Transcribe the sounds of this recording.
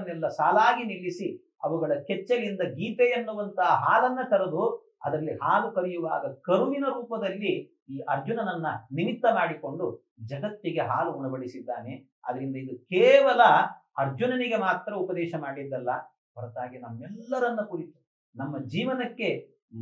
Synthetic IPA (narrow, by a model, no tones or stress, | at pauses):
nːɛlːɐsaːlaːɡiniɭːisi | ɐ̰ʋuɡɐɭɐkɛt͡ʃːɐɾind̪ɐɡiːpejɐnːuʋɐnt̪ɐɦɐɦaːlɐnːɐkɐɾɐd̪u | ɐ̰d̪ɐlːihaːlukɐɾijuʋa̰ːɡɐkɐɾuʋinɐɾuːpɐd̪ɐlːi | iːʔɐɾd͡ʒunɐnɐnːɐnimit̪ːɐmaːɽiko̞ɳɖu | d͡ʒɐɡɐt̪ːiɡe̞ɦaːluuɳɐbɐɽisid̪ːaːne̞ | ɐ̰d̪ɐɾind̪ɐid̪ukeːʋɐlɐɐɾd͡ʒunɐniɡe̞maːt̪ːɾɐupɐd̪ɛːʃɐmaːɽid̪ːɐlːɐ | bɐɾɐt̪aːɡinɐmːɛlːɐɾɐnːɐkuɾit̪u̥ | nɐmːɐd͡ʒiːʋɐnɐkːe̞